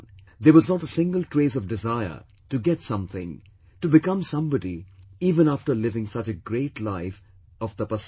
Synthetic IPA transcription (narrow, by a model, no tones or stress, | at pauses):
d̪eəwʌznəɾəsɪ̃ŋɡəlˠtʰɹ̥eɪsʌvdɨzaɪə̰ | tɨɡɛtsʌ̃mθɪ̃ŋ | tɨbɨkʌ̃msʌ̃mbədiiːvə̃næftəlɪvɪ̃ŋsʌt͡ʃɨɡɹeɪtlaɪf | ʌvðəpəs